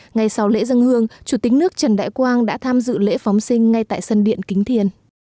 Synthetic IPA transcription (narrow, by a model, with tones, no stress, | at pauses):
ŋa˨˩jsa˨˦wlḛ˧˥zə˧ŋhɨ˧əŋt͡ɕu˧˩t̪ï˨˦ŋ̟nɨ˦˥ək̚t͡ɕə˨˩nɗa̰ː˧˨jkwaː˧nɗa̰ː˧˥t̪ʰaː˧mzɨ̰˧˨lḛ˧˥fa˨˦wŋ͡msï˧ŋ̟ŋa˧jt̪a̰ː˧˨jsə˧nɗḭ˧˨ənkï˨˦ŋt̪ʰi˨˩ən